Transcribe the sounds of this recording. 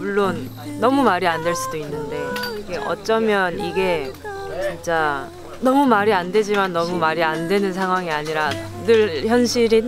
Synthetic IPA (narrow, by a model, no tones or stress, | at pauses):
muɭːonː | ʌmumaɾiandwe̞ɭs͈udoinːɯnde̞iɡe̞ʔʌ̰t͡ɕ͈ʌmjʌniɡe̞t͡ɕint͡ɕ͈a | nʌmumaɾiandwe̞d͡ʑimanːʌmumaɾiandwe̞nɯnsʰaŋɦwaŋiaɲiɾa | nɯɭçjʌnɕʰiɾi